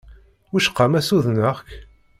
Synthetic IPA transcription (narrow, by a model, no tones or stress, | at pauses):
uʃqːamæsuðnəʁk